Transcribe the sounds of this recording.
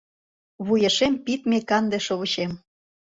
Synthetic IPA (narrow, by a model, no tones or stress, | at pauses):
βujeʃempit̪mekɑnd̪eʃoβə̆t͡ɕem